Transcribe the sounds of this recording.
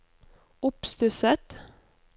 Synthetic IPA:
ʊpst̪ʉsət̪

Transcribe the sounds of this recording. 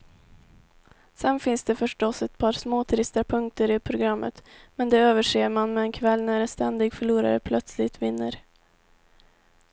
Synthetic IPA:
sɛnːfɪnsd̪ɛfœʂʈɔsɛt̪̚pʰɑːɾsmoːt̪ʰɾɪst̪apʰɵŋk̚t̪əɾɪpʰɾʊɡɾamːə̰t̪mɛnd̪ɛøːvəʂeːmanmɛːnkʰvɛlːnæɾɛnst̪ɛnd̪ɪɡfœɭuːɾa̰ɾə̰pʰlœt̪slɪt̪vɪnːə̰ɾ

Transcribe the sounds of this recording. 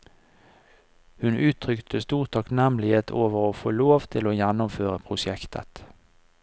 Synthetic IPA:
hʉnʔʉːt̪ʰʁʏkt̪ʰəst̪uːʁt̪ʰɑknɛmlɪheːt̪ʰoːʋəʁoːfoːloːʋt̪ʰɪloːjænʊmføːʁəpʰʁʊʃɛkt̪ʰə̰t̪

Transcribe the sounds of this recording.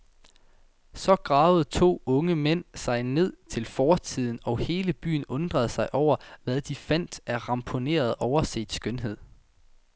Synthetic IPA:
sɒ̽ɡ̥ʁɑ̈ːʊð̞̩ˠt͡sʰo̝̰ːɔ̽ŋəmen̰sɑ̈ɪne̝ð̞̰ˠt͡sʰe̝lfɒːt͡sʰið̰ˠn̩ɒ̽he̝ːləb̥y̰ːn̩ɔ̽nd̥ʁɐð̞̩ˠsɑ̈ɪʔɒʊ̰ɐʋæðˠd̥ifæn̰d̥æʁɑ̈mpʰo̝ne̝̰ːɐð̞ˠɒʊɐse̝̰ːd̥sɡ̥ønɦe̝ð̰ˠ

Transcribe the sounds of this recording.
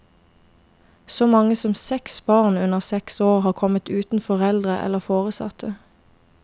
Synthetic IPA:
soːmɑŋəsɔmsɛksbɑːʁnʉnəʁsɛksoːʁhɑːʁkʰɔmət̪ʉːt̪n̩fɔʁɛld̪ʁəʔɛ̰ləʁfoːʁəsɑ̰t̪ʰə

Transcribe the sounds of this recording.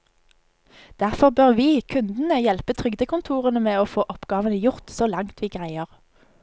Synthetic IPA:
d̪̥æʁfɔʁbøːʁʋiːkʰʉnd̪n̩əjɛlpət̪ʰʁʏɡd̪əkʊnt̪ʰuːʁənəmeːoːfoːʔɔpɡ̥ɑːʋənəjʊʁt̪soːlɑŋt̪ʰʋiːɡʁæɪəʁ

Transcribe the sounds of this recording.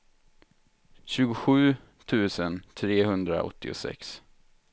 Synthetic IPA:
ɕʉ̟ːɡʊɧʉ̟ː | t̪ʰʉ̟ːsənt̪ʰɾeːhɵnd̪ɾa̰ɔ̰t̪ːɪʊ̰sɛ̰ks

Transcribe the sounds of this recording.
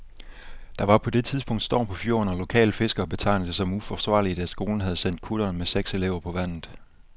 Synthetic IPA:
d̥ɑ̈ʋɑ̈pʰɒ̽d̥e̝t͡sʰið̞ˠsb̥ɔ̽ŋ̰d̥sd̥ɒ̰ːpʰɒ̽fjo̝̰ːnɒlo̝kʰɛ̰ːləfe̝sɡ̥ɐːb̥e̝t͡sʰɑ̈ɪ̰nd̥əsɒ̽mufɒsʋɑ̰̈ːlid̥æsɡ̥o̝ːln̩ɦæð̞̩ˠsen̰d̥̚kʰuɾ̥ɐːnmeseɡ̥se̝leʊ̰ɐpʰɒ̽ʋæn̰ð̩ˠ

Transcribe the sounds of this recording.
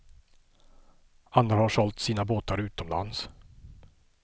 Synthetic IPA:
anɾahaʂɔlt̪siːnaboːt̪aɾʉ̟ːt̪ɔmla̰ns

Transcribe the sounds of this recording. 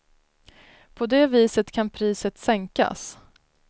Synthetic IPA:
pʰɔd̪ɛːviːsət̪kʰanpʰɾiːsət̪sɛŋka̰s

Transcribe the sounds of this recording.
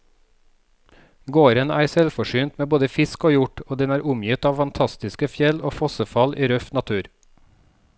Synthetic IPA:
ɡoːɾənæːɾsɛlfɔʃyːnt̪meːboːd̪əfɪskoːjʊʈoːd̪ɛnæːɾʔʊmjɪt̪ɑːʋfɑnt̪ʰɑst̪ɪskəfjɛloːfɔsəfɑlʔiːɾœft̪nɑt̪ʰʉːɾ

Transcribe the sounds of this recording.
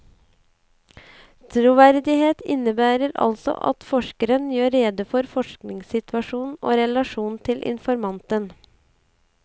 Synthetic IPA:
t̪ʰɾʊʋæɾd̪ɪheːt̪ɪ̰nəbæːɾəɾɑ̰lsɔ̰ʔɑ̰t̪fɔʃkəɾənjøːɾːeːd̪əfɔɾfɔʃknɪŋsɪt̪ʰʋɑʃuːnn̩o̰ːɾɛlɑʃuːn̩t̪ʰɪlʔɪ̰nfɔɾmɑnt̪ən

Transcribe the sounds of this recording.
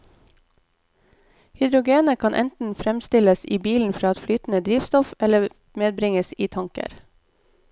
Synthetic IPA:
hʏd̪ɾʊɡeːnəkʰɑnʔɛ̰nt̪n̩fɾɛmst̪ɪləsiːbiːln̩fɾɑːɑt̪flyːt̪n̩əd̪ɾiːʋst̪ɔfɛlə | meːd̪̚bɾɪŋəsiːt̪ʰɑŋkə̰ɾ

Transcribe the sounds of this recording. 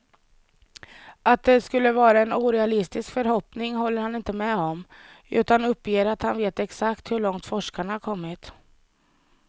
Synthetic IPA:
ʔat̪̚d̪ɛskɵlːəvɑːɾaɛnuːɾɛalɪst̪ɪskfœɾɦɔpnɪŋɦɔlːəɾhanɪnt̪əmɛɔm | ʉ̟̰ːt̪anɵpːjeːɾat̪hanveːt̪ɛksakt̪hɵɭɔŋt̪fɔʂkaɳahaɾkʰɔmːɪt̪

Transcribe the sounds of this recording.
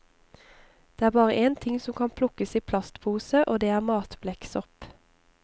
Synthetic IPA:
d̪̥eːæːʁbɑːʁəʔeːnt̪ʰɪŋsɔmkʰɑːnpʰlʊkəsiːpʰlɑst̪pʰuːsəʔoːd̪eːæːʁmɑːt̪blɛksɔp

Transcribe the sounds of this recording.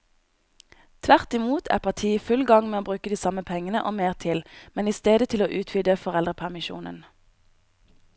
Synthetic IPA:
t̪ʰʋæʁt̪ɪmuːt̪ʰæ̰ːʁpʰɑʁt̪ʰiːfʉlɡɑŋmeːoːbʁʉːkəd̪iːsɑməpʰɛŋənəʔoːmeːʁt̪ʰɪlmɛniːst̪eːd̪ət̪ʰɪloːʔʉːt̪ʰʋyːd̪əfɔʁɛld̪ʁəpʰæʁmɪʃṵːnə̰n

